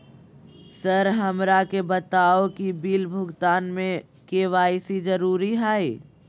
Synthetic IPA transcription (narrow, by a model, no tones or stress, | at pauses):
səɾɦɐmɾakebɐt̪aːokibiːlbʱʊɡt̪aːnmẽ | keːʋaːisid͡ʒɐɾuːɾiɦaːiː